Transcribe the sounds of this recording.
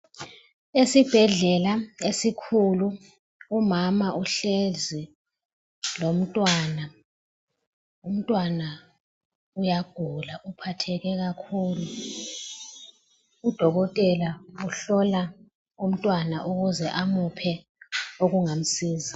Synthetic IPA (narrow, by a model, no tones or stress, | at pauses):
esib̥ʱɛɮɛlaesikʰuluː | mamaʔuɬɛzi | lom̩tʼwaːna | um̩tʼwana | ujaɡ̥ʱulaʔupʰatʰɛɣɛɣakʰuːlu | d̥ʱɔɣɔtʼɛlauɬɔla | um̩tʼwanaʔuɣuzɛʔamupʰɛ | oɣuŋam̩siːza